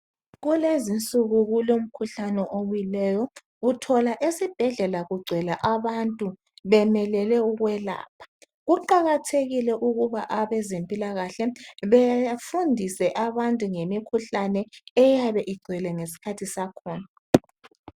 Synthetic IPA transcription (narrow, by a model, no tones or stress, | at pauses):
ɣulezint͡sʼuɣuɣulom̩kʰuɬanɛʔowwilɛːjɔ | utʰɔlaʔesib̥ʱɛɮɛlaɣuɡ͡ǀʱɛlaʔaβantʼu | βɛmɛlɛlɛuɣwɛla̰ːpʰḁ | ɣuǃaɣatʰeɣilɛʔuɣuβaʔaβɛzempʼilaɣaɬɛβefundʱisɛʔaβantʼuŋemikʰuɬanɛɛjaβɛʔiɡ͡ǀʱɛlɛŋesi̥kʰatʰisakʰɔːna